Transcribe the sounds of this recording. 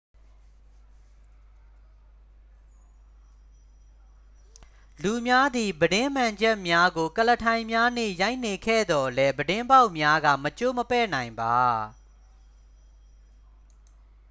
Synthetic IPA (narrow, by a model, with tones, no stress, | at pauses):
lu˨mja˦d̪i˨bədɪ̃˦m̥ã˨ɲd͡ʑɛ˦ʔmja˦ɡo˨kələ˨tʰã˨ɪ̃mja˦n̥ḛ˦˨ja˦ɪʔne˨kʰɛ̰˦˨d̪ɔ˨lɛ˦bədɪ̃˦mba˦ʊʔmja˦ɡa̰˦˨mət͡ɕo˦˨məpɛ̰˦˨nã˨ɪ̃mba˨